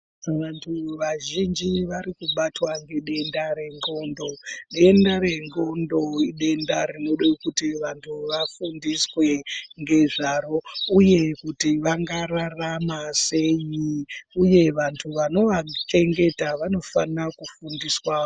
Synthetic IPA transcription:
ʋantʰuʋaʒind͡ʒiʋaɾikuɓatwaŋɡe̞ɗe̞ndaɾe̞ŋɡo̞ndo̞ɗe̞ndaɾe̞ŋɡo̞ndo̞iɗe̞ndaɾinoɗekutiʋantʰuʋafundiswe̞ŋɡe̞ʐaɾo̞uje̞kutiʋaŋɡararamase̞jiuje̞ʋantʰuʋano̞ʋat͡ʃe̞ŋɡe̞taʋano̞fanakufundiswao

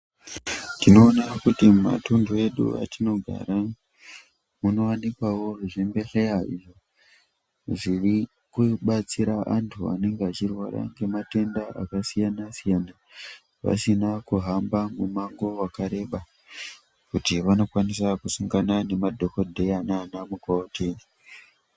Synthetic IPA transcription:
tino̞ːnakutima̰tundoe̞ɗṵa̰tino̞ɡʱa̰ɾa | muno̞wanikwawo̞ʐiʐembe̞ɬeaḭʐo | ʐiri | kuɓat͡siɾaʔantʰua̰ne̞ŋɡeat͡ʃirwara̰ŋɡe̞mate̞ndaʔa̰kasijanasijana | ʋa̰sinakuɦambamumaŋɡo̞wakaɾe̞ɓa | kutiʋano̞kwanis̬akusuŋɡanane̞madʱo̞ko̞dʱe̞ananamukootei

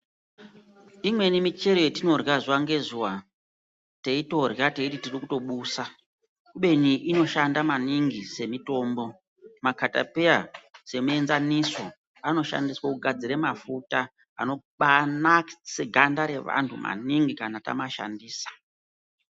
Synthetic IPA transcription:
imwe̞nimit͡ʃe̞ɾojetino̞rɣazwaŋɡe̞zuwa | teito̞rjateititirikuto̞ɓuːsa | kuɓe̞niʔino̞ʃandamaniŋɡise̞mito̞ːmbo̞ | makata̰pe̞jase̞mue̞nzaniso | ano̞ʃa̰ndiswakuɡʱad͡ziɾemafuta | ano̞ | ɓanaseɡʱandaɾe̞ʋa̰ntʰuma̰niŋɡikanata̰maʃa̰ndiːsḁ

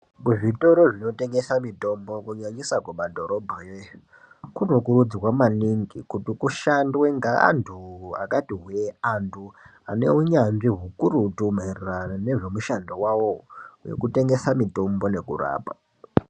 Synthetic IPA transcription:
kuʐito̞ɾoʐino̞te̞ŋɡe̞samito̞mbokuɲaɲisakwumadʱo̞ɾo̞bʱaje | kunokuɾud͡zrwamaniŋɡikutikuʃandweŋɡaa̰ntʰua̰katiɦweantʰu | ane̞uɲanʐiɦukuɾutumarranane̞ʐe̞muʃandowawojḛkute̞ŋɡe̞samito̞mbo̞ne̞kṵra̰ːpa

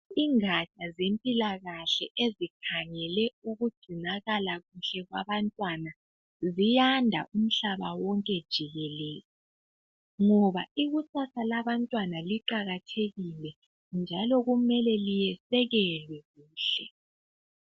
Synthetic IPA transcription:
iŋat͡ʃʼazempʼilaɣaɬɛʔezikʰaŋɛlɛuɣudɡ͡ǀ̥ʱinaɣalaɣuɬɛɣwaβantʼwana | zijandʱa̰ʔum̩ɬaβawɔŋkʼɛd̥ʒ̥ʱiɣɛlɛːzi | ŋɔβaiɣusasʰalaβantʼwanaliǃaɣatʰeɣilɛ | nd͡ʒʱalɔɣumɛlɛlijɛsɛɣɛlwɛɣuːɬɛ

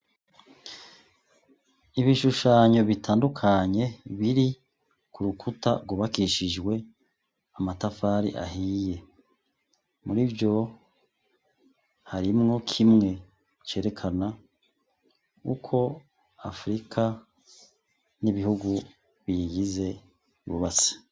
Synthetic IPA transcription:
iβiʃuʃaːɲo̞βitʰaːndukʰaɲe̞βiɾi | kuɾukʰuta̰ɡuβakiʃiʒɡwe̞ | amatafaːɾḭʔa̰hije̞ | muɾivjo̞ | haɾimŋo̞kʰimŋe̞ | t͡ʃe̞ːɾe̞kʰana | kṵkʰo̞ | a̰fɾikʰa | niβihuɡu | βiɡize̞ | iβṵβasḁ

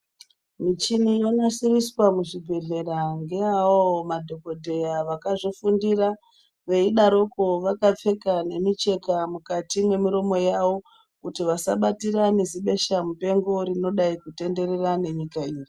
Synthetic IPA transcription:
mit͡ʃinijonasiriswamuʐiɡʱe̞ɮe̞ɾaŋɡeaoomadʱo̞ko̞dʱe̞jaʋakaʐofundira | ʋe̞iɗaɾo̞ko̞ʋakap͡fe̞kane̞mit͡ʃe̞kamukatimwe̞miɾo̞mo̞jaʋo̞ | kutiʋasa̰ɓatiraneziɓe̞ʃamupe̞ŋɡo̞ɾino̞ɗaikute̞nde̞re̞rane̞ɲikaiːri

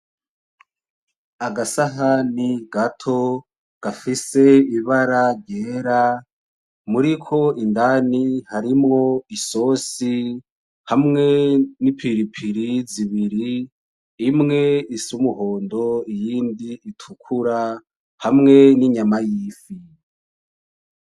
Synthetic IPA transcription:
aɡasaɦaniɡatʰo̞ | ɡ̥afise̞iβaɾaɾɟe̞ːɾa | muɾikʰo̞ʔindanihaɾimŋo̞iso̞si | hamŋe̞nipʰiɾipʰiɾiziβiɾiː | mŋe̞isumuhoːndo̞ijiːndiːtʰukʰuɾa | hamŋe̞niɲamajiːfi

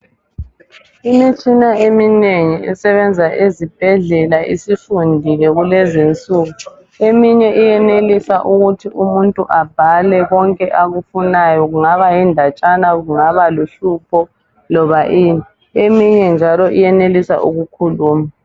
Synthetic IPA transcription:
imit͡ʃʼinaemineŋiʔɛsɛβɛnd͡zʱaʔezib̥ʱɛɮɛlaʔisifundʱilɛɣulɛzint͡sʼuːɣu | emiɲɛʔijɛnelisaʔuɣutʰiʔumuntʼuʔab̥ʱalɛɣɔŋkʼɛʔaɣufunajɔɣuŋaβajindʱat͡ʃʼanaɣuŋaβaluɬupʰɔ | lɔβaʔiːni | emiɲɛnd͡ʒʱalɔʔijɛnelisa̰ʔṵɣukʰuluːma

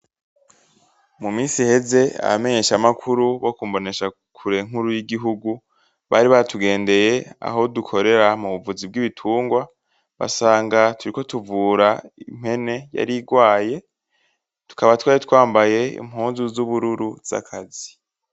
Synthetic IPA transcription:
mumiːsihe̞ze̞a̰βame̞ɲe̞ʃamakʰuɾuβo̞kumbo̞ne̞ʃa | kʰuɾe̞ŋ̥uɾujiɡiɦuɡu | βaɾiβatuɡe̞ːnde̞je̞a̰ɦo̞dukʰo̞ɾe̞ɾamuβuvuzib̚ɡiːβitʰuːŋɡwa | βa̰saːŋɡatʰuɾiko̞tuvuːɾaim̥he̞ne̞ja̰ɾiɡwaːje̞ | tu̥kaβatwaːjitwaːmbaje̞ḭmhuːnzuzuβuɾuɾuz̥a̰kʰazi

